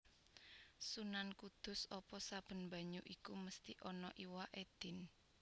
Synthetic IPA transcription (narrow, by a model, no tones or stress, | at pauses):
sunankud̪̥ʊ̤sɔpɔsab̥ə̤nmba̤ɲuʔikuməst̪iʔɔnɔʔiwaʔed̪̥ɪ̤n